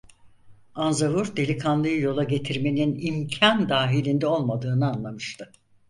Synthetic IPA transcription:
anzavuɾd̪e̞lʲikʰanlˠɯjɯjo̞lˠaɟe̞t̪ʰiɾme̞ninimcʰand̪aːɦilʲind̪ɛo̞lˠmad̪ɯːnɯanlˠamɯʃt̪ʰɯ

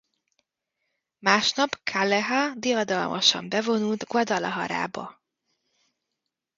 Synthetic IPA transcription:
maːʃnɒpkʰalɛɦad̪ijɒd̪ɒlmʔɒʃɒ̰mbɛvo̞nult̪ɡwɒd̪ɒlɒɦɒ̰ɾa̰ːbɒ̰

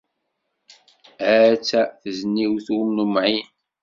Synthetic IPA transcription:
æt͡sːæθəznːiwθumnumʕin

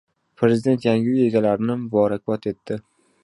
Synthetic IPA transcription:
pʰɾe̞zɪd̪e̞nt̪jaŋɡʲɪe̞ɡʲalaɾɪnɪbɒɾak̚ʲbɒt̪ʰe̞t̪ʰːɪ

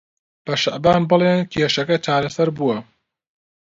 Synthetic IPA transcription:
b̥ɐʃɐʔbaːnbɨleːnkʰeːʃɐkɐt͡ʃaːɾɐsɐɾbuwɐ

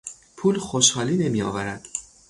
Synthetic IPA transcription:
pʰuːlxoʃhɒːliːne̞miːɒ̰ːvæɾæd̪̥

